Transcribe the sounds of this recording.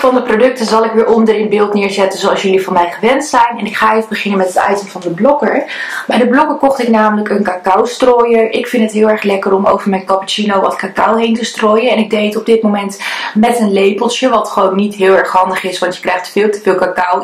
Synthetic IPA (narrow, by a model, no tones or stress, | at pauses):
fɑndəprodɵk̚təzɑlˠɪkʋɪːɹʔɔndəɾɪnbɪːlˠtnɪːɹzɛtənzowɑlˠsjɵlivɑnmɛjχəʋɛntsɛjnɛnɪkχaːɪfbəχɪnəmɛtɦətɑ̰ɥtəmvɑndəblɔkəɹbɛjdəblɔkəɹkɔχtɪknaːmələkənkaːkawstroːjəɹʔɪkfɪntətɦɪːlˠɛɹχlɛkərɔmo̰wvəɹmɛjnkɑpit͡ʃinowʋɑtkakɑwɦejntəstroːjəɛnɪɡ̚dejtɔb̚dɪt̚momɛntmɛtənlejpəlˠsjəʋɑtχəʋownːitɦɪːlˠɛɹχɦɑndəχɪsʋɑntjə̥krɛjχtfɪːlˠtəvɪːlˠkakʌw